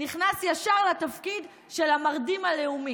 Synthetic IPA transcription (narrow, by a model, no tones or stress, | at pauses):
niχnasjaʃaʁlat̪afkid̪ | ʃelamaʁd̪imaleumi